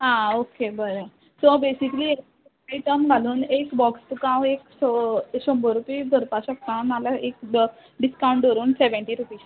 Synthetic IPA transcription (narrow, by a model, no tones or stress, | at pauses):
ɦãokebəɾə | sobesiklie | aiʈəmɡʱaluːnekbɔkst̪ukãweksoɕəmbəɾupiːd̪ʱəɾpaɕək̚t̪analaʔek | ɖiskaw̃ɳʈəɾuːnseʋəɳʈiɾupiːs